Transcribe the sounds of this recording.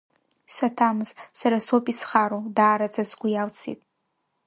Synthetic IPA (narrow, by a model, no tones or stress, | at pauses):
satʰamɨzsaɾasopʼisχaɾodaːɾat͡sʰʼasɡʷʊjalt͡sʰḭtʼ